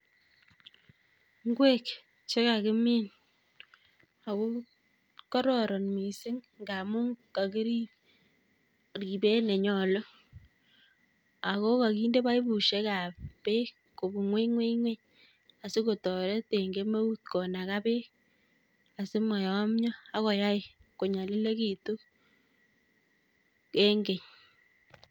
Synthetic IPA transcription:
ŋɡwe˦k | t͡ʃe˦ka˨kɪ˦mi˦n | a˨ko˦ | kɔ˦ɾɔ˨ɾɔ˨nmi˨sɪ˦ŋ | ŋɡa˨mu˦ŋka˨ki˦ɾi˦ | ri˨be˦ne˨ɲɔ˨lo˦ | a˨ko˦ka˨ki˦nde˦ba˦i˦bu˨ʃe˦ka˨ppe˦ | ko˨bu˨ŋwe˦ŋwe˦iŋwe˦ɲ | a˨sɪ˦ko˨tɔ˨ɾɛ˦te˨ŋɡe˦me˦wu˦t̪̚kɔ˨na˨ka˦pe˦ | a˨sɪ˦ma˨jɔ˨˦mɲɔ˦a˦kɔ˨ja˦ɪ˨ko˨ɲa˨lɪ˦le˦ki˨tu˦ | ke˦ŋɡe˨ɲ

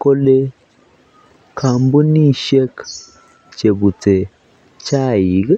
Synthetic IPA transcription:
ko˦le˦ | kʰa˨mbu˦ni˦ʃe˦k | t͡ʃe˨bu˨t͡se˨ | t͡ʃa˦˨ji˨˦ɡ

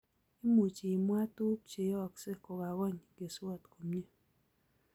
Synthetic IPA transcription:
i˦mo˨t͡ʃi˨mwa˦tu˦p̚t͡ʃe˨jɔ˦ɔ˨kse˦kɔ˨ɡa˨wɔ˦ɲ˨ɡe˨swɔ˦˨tko˨mɲe˦

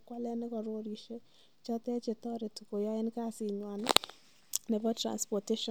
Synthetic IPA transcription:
kwa˦lɛ˦nɪ˦kɔ˨ɾo˦ɾi˨ʃe˦ | t͡ʃɔ˦tɛ˦t͡ʃe˨tɔ˦ɾe˨tu˨ko˨jɔ˦e˦nka˦sɪ˨ɲwa˨nɪ | nɛ˨bɔ˦tɾa̰˨nspɔ˨te˦ʃɔ˨

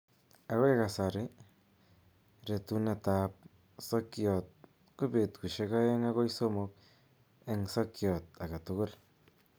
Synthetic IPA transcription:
a˧wʷe˦ɡa˨sa˨ɾe˦ | ɾe˨t̪u˧na˧t̪a˧p̚ | so˦kjo˨t̪̚ | ku˦bi˧t̪ku˨ʃe˧ka˦je˦ŋa˦ɡo˦jso˦mo˧k | e˧ŋso˦kjo˨t̪a˨ka˨t̪u˧ɡu˦˨l

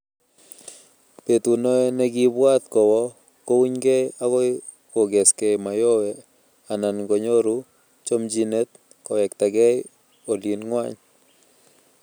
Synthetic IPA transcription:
pe˨tu˨no˦e˦ne˦ɡi˦bwa˦t̪kɔ˨wɔ˦ | ko˦wu˦ɲɡɛ˦a˦kɔ˦ | ko˨ɡɛ˨skɛ˨ma˨jo˦wɛ˨ | a˨na˨nɡo˨ɲo˦ɾu˦ | t͡ʃo˦md͡ʒi˦ne˦t̪̚ | kɔ˨wɛ˨kta˨ɡɛ˦j | o˨li˨nŋwa˦ɲ

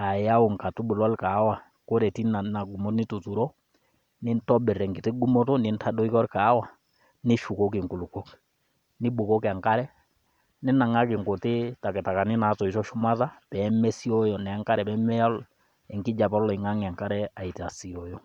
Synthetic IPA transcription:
a˨ja˦o˨ŋka˨tu˦bu˨lɔ˦lka˨˦wa˨ | ko˦ɾɛ˨ti˦na˨na˨ɡu˨mo˦tnɪ˦tu˨tu˨ɾo˦ | nɪ˦ntɔ˦bɛ˨ɾɛ˨ŋɡi˨tɪ˦ɡu˦mo˦to˦nɪ˨˦ntʰa˦dɔ˦i˦kɔ˦ɾka˨˦wa˨ | nɪ˦ʃu˨ko˦k̬ɪ˨ŋku˨lu˨ko˦k | nɪ˦ɓo˨ko˦ka˨ŋka˦ɾɛ˦ | nɪ˦na˨ŋa˦kɪ˨ŋko˨tɪ˦ta˨kɛ˨ta˨ka˨nɪ˦na˨˦tɔ˨i˨sɔ˦ʃu˦ma˦ta˦pɛ˨˦mɛ˦si˦ɔ˦jɔ˨nɛ˨a˦ŋka˦ɾɛ˨pɛ˦mɛ˦ɔ˦l | ɛ˨ŋki˦d͡ʒa˨pɔ˦lɔ˨i˨ŋa˦ŋɛ˨a˨ŋka˦ɾɛ˦a˨i˨ti˨a˨si˨o˨jɔ˨

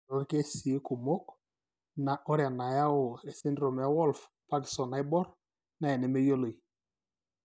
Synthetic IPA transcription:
ɾo˨˦ɾke˦si˨˦ko˨mo˦k | na˨ʔɔ˦ɾja˨na˨ja˦o˨e˨sɪ˦ndɾo˨m˨a˦wɔ˦lf | pa˦kɪ̥˨sɔ˨na˨ɪ˦bɔ˦ɾ | na˨ɛ˨nɛ˨me˦jo˦lo˨i˨

